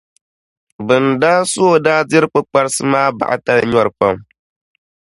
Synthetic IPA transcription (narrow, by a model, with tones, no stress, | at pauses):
bɨ˨ndaː˦so˦o˨daː˦dɪ˦ɾɨ˦k͡pɨ˦k͡pa˦ɾɨ˦sɨ˦maː˦ba̰˨ʔa̰˨ta˦lɲɔ˦ɾɨ˨pa˦m